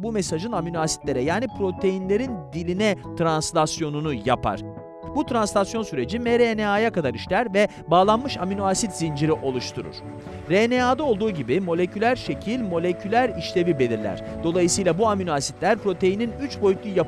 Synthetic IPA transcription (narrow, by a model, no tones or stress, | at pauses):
bumɛsaʒɯnaminoasi̥t̪lʲe̞ɾɛjaːnipʰɾo̞t̪ʰe̞jinlʲe̞ɾind̪ilʲinɛt̪ʰɾanslʲasjo̞nunuja̰pʰa̰ɾ̥ | but̪ɾanslʲasjo̞nsyɾe̞d͡ʒimɛɾenɛajakad̪aɾiʃlʲæɾvɛ | baːlˠanmɯʃaminuasit̪zind͡ʒiɾiʔo̞lˠuʃt̪ʰuɾṵɾ̥ | ɾeneaːd̪ao̞lˠd̪uːɟibimo̞lʲe̞cʰylʲæɾʃe̞cʰilʲmo̞lʲecʰylʲæɾiʃlʲe̞vibe̞lʲiɾlʲæ̰ɾ̥d̪̥o̞lˠajɯsɯjlˠabuaminasit̪lʲæɾpɾo̞t̪ʰe̞jininyt͡ʃbo̞jyt̪lˠuja